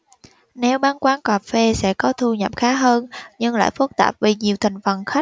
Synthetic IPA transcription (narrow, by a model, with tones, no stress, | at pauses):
ne˨˦wɓaː˧nkwaː˨˧nkaː˨˩p̚fe˧sɛ̰˧˥kɔ˨˦t̪ʰu˧ɲə˨˩p̚xaː˨˦ɦəː˧nɲɨ˧ŋla̰ː˧˨jfɨ˦˥k̚t̪aː˨˩p̚vi˨˩ɲi˨˩əwt̪ʰï˨˩ŋ̟fə˨˩nxa˦˥jk̟̚